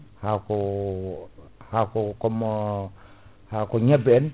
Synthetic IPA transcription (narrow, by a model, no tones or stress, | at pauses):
hako | hakokom | hakoɲabeen